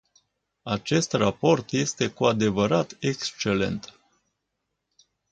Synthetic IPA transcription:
at͡ʃe̞st̪rapo̞rt̪je̞st̪e̞kuad̪e̞vəɾat̪ekst͡ʃe̞le̞̰nt̪

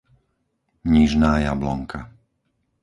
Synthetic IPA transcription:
ɲiʒnaːjablɔ̰ŋka

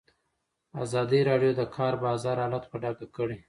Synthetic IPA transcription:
a̰zɑd̪iɾɑɖjod̪əkʰɑɾbɑzɑɾɑlat̪pəɖɑɡakəɽe

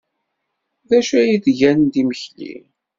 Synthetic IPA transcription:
ðæʃæjiθʝænd̪iməçlḭ

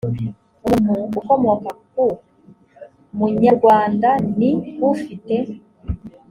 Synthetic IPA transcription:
umuːkomuwakaku | muɲaɾɡwaːndaniwufite̞

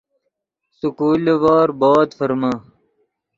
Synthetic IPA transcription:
sukuːlʋaːɾbaːt̪fɐɾma

